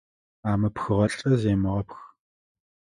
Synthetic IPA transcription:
aːmɨpxɨʁɐɬʼɐzeːmɨʁɐpx

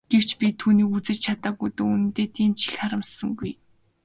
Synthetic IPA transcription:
ɡ̥ew̥t͡ɕpʲit̪ʰuːniːut͡sɘ̆t͡ɕt͡ɕʰat̪aːɣujt̪oːunɘ̆nt̪eːt̪ʰiːmt͡ɕʰiɮχaɾə̆msə̆ŋɡuj

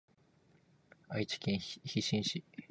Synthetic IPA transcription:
ait͡ɕi̥kʲẽɰ̃çiɕĩɰ̃ɕi

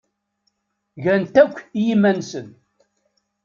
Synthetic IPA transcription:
ʝænt̪ækʷːjimænsən

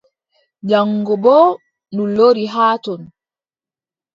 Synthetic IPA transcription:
d͡ʒaŋːɡɔbɔː | nuloɾiɦaːtɔn

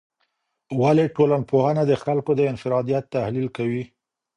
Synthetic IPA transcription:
waleʈolanpohanad̪əxalkod̪əɪnfɪɾɑd̪ijat̪ːahlilkawi

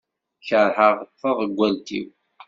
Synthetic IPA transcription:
çəɾˤħəʁəθːəðˤəɡʷːælt̪ḭw

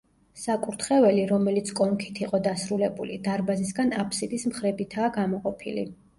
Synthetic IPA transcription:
sakʼuɾt̪ʰχɛvɛliɾɔmɛlit̪sʰkʼɔŋkʰi̥t̪ʰiqʼɔd̪asɾulɛbṵlid̪aɾbazisɡanapʰsid̪ismχɾɛbit̪ʰaːɡamɔqʼɔpʰḭlḭ

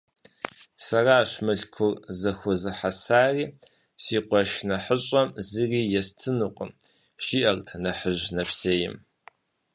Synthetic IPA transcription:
sɐraːɕmɨɬkʷʰʊrzɐxʷʊzɨħasaːriː | siːqʷʼɔʃnɐħəɕʼɐmzɨriːjɛstʰɨnuqʷʼəmʃiʔɐrtʰɐnɐħəʒnɐpseːjɪ̰m

